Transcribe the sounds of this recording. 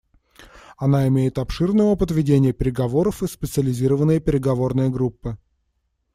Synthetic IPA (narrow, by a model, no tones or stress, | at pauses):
ɐnaɪmʲejɪt̪ɐpʂɨrnəəpəd̪vʲɪdʲenʲɪjəpʲɪɾʲɪɡɐvo̞ɾəfɨspʲɪt̪sɨəlʲɪzʲiɾəvənːəjəpʲɪɾʲɪɡɐvo̞rnəjəɡɾupːɨ